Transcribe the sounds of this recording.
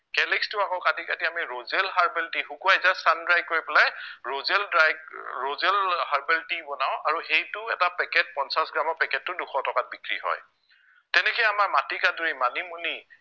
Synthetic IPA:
kɛlɛkstʊakɔʊkatikatiamiɹozɛlɦaɹbɛltixukuajzasandɹajɡ̚kːoɹipɔlajɹozɛldɹajɡɹozɛlhaɹbɛltibɔnaʊ̃ʔaɹuxejtʊɛtapɛkɛt̚pɔnsasɡɹamɔɹpɛkɛtːʊduxʰɔtɔkat̚bikɹḭɦɔ̰j | tɛnɛkɔjamaɹmatikatuɹimanimuni

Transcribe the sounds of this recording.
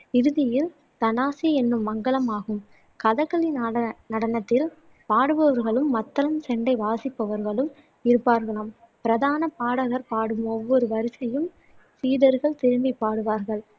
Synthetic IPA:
ɪɾɯðɪjɪl | t̪ɐnaːsɪjɐɛnːɯmːɐŋɡɐɭɐmaːɣɯm | kɐðɐkːɐɭinnɐɽɐnɐt̪ːɪl | paːɽɯʋɐʋɐɾɣɐɭɯmːɐt̪ːɐlɐmsɛɳɖɐɪʋaːsɪpːɐʋɐɾɣɐɭɯm | ɪɾɯpːaːɾɣɐɭaːm | pɪɾɐðaːnɐpaːɽɐɣɐɾpaːɽɯmɔʋːɔɾɯʋɐɾɪsɐjɯm | siːðɐɾɣɐɭt̪ɪɾɯmbipːaːɽɯʋaːɾɣɐɭ

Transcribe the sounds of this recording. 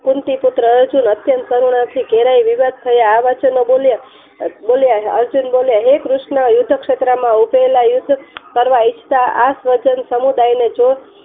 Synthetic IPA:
kunt̪iput̪ɾəːɾd͡ʒunət̪jənt̪kəɾuɽ̃ãt̪ʰiɡeɾaiʋiʋad̪̚ʱt̪ʰəjaːʋat͡ʃʰenobolja | boljaə̰ɾd͡ʒunboljaɦekɾuʃnəjud̪ʱːəkʃet̪ɾəmãupelajʊd̪ʱːkəɾʋait͡ʃʰt̪aasʋəd͡ʒənsəmud̪ajned͡ʒo

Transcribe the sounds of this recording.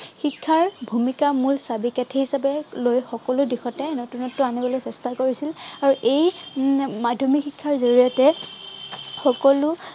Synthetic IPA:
xikʰːaɹbʱumikamulsabikɛtʰɛhisapɛlojxɔkɔlʊdixɔtɛnotunɔtːʊanibɔlojsɛstʰakoɹisilaɹuʔej | madʱɔmixikʰːaɹzoɹijɔtɛ | xɔkɔlʊ

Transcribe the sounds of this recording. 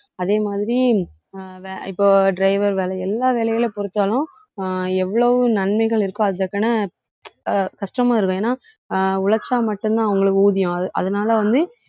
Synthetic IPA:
ɐðeːmaːðɪɾi | ʋeɪpːoːɖɾɐɪʋɐɾʋeːlɛɛlːaːʋɛːɭɐjɐlepɔɾɯt̪ːaːlʊ̃ | ɛʋːɐɭɐʋɯnɐɳmɐɪɣɐɭɪɾɯkːʊ̃ɐðt̪ːɐkːɐnɐ | kɐʂʈɐmaːɪɾɯkːʊ̃eːnːaː | ʊɭɐt͡ʃːaːmɐʈːɯ̃nt̪ãːɐʋɐŋɡɐɭɯkːɯuːðɪjʊ̃ɐʔɐ̰ðɐnaːlɐʋɐnd̪ɯ

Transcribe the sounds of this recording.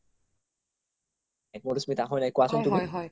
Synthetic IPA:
ɛk̚moɾusmit̪aɦɔjnajkuasɔnt̪ui

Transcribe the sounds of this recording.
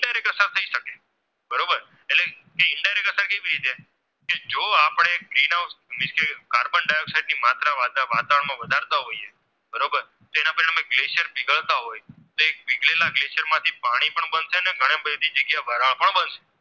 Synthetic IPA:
ɪɳɖaɾekəsəɾt̪ʰəiʃəke | bəɾobəɾ | ele | keɪɳɖajɾekəsəɾkeʋiɾit̪e | ked͡ʒoapɽ̃eɡɾinawsmɪskekaɾbənɖajoksajɖnimat̪ɾaʋad̪ʋat̪aʋəɳmãʋəd̪ʱaɾt̪aɦoie | bəɾobəɾ | t̪oenãpəɾamẽɡlesəɾbɪɡəɭt̪aɦojt̪oek̚bɪɡlelaɡlesəɾmãt̪ʰipaɽ̃ipəɳbənʃeəneɡʱəɽ̃ẽbəd̪ʱid͡ʒəɡjaʋəɾaɭpəɳbənʃe̥

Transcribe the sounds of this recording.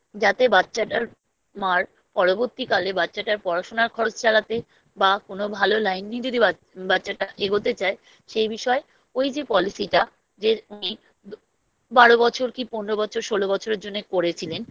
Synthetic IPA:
d͡ʑat̪ebatːɕaʈaɾ | maɾ | pɔɽoboɾt̪ikalebatːɕaʈaɾpɔɾaʃonaɾkʰɔɾot͡ɕt͡ɕalat̪e | bakonobʱalolajnːid͡ʑod̪ʱia | batːɕaʈaʔeɡot̪et͡ɕae | ʃejbiʃɔe | ojd͡ʑepɔlisiʈa | d͡ʑeuni | baɽobɔt͡ɕʰoɾkiponɾobɔt͡ɕʰoɾʃolobɔt͡ɕʰoɾeɾd͡ʑonːekoɾet͡ɕʰilen

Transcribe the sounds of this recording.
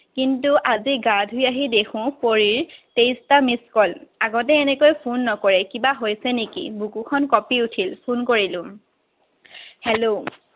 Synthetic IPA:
kintuʔaziɡadʱujaɦidekʰʊ̃poɹiɹtejstamiskɔlaɡɔt̬ɛːnɛkojpʰunːɔkɔɹɛkibaɦojsɛnekḭbukukʰɔnkɔpiutʰilpʰunkoɹilʊ̃ | hɛlo

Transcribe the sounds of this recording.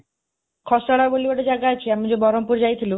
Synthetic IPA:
kʰɔsaɽabolioʈed͡ʑaɡat͡ɕʰiamid͡ʑebɔɾompuɾd͡ʑajt̪ʰilu

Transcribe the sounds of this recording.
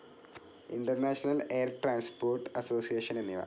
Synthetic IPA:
ḭɳɖɐrnaːʂɐnɐleːrʈɾaːnspoːrʈːɨɐsoːsijeːʂɐnenːiʋɐ̰

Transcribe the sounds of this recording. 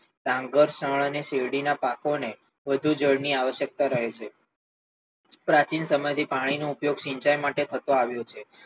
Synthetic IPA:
ɾãŋɡəɾsəɭəneʃeʋɽinapakone | ʋəd̪ʱud͡ʒəɽniaʋəʃjək̚t̪aɾəɦet͡ʃʰe | pɾat͡ʃinsəməjt̪ʰipaɽ̃inoupjoɡʃĩɲt͡ʃajmaʈet̪ʰət̪õaʋjõt͡ʃʰe

